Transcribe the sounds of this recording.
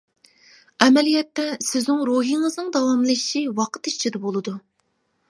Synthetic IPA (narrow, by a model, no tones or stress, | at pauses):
ɛmɛlijɛt̪ːɛsɪznɪŋɾoɦiŋɨznɨŋd̪ɑwɑmlˠɨʃiwɑqʰə̥t̪iʃt͡ʃʰid̪ɛbolˠɨd̪u